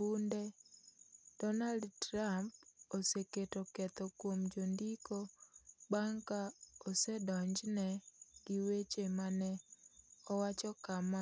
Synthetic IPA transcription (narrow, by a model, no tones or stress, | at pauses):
bunde | d̥ɔnaldtramp̚oseketɔkɛt̪ɔkwomd͡ʒondikobaŋkaosɛdɔɲd͡ʒnɛɡ̥ɪwet͡ʃemanɛ | ɔwat͡ʃɔkama